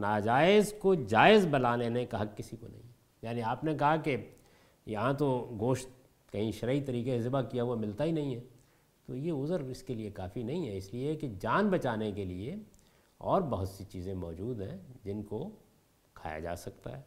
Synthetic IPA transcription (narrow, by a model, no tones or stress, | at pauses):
naːd͡ʒaːɪzkod͡ʒaːɪzbɐlaːnenekaɦɐkːɪsikonɐ̰ɦĩɦɛ | jaːniaːpnekɐɦake | jɐɦãt̪oɡoːʃt̪ | kɐɦĩʃɐɾait̪ɐɾiːkeɪzɪbakijaɦʊwamɪlt̪aɦinɐɦĩɦɛː | t̪ojeʊzəɾɪskeliekaːfinɐɦĩɦɛɪslieked͡ʒaːnbɐt͡ʃaːnek̬elie | ɔ̰ːɾbɐɦʊt̪sit͡ʃiːzẽmɔːd͡ʒuːd̪ɦɛ̰̃d͡ʒɪnko | kʰa̰ːja̰d͡ʒa̰ːsɐk̚t̪a̰ɦɛː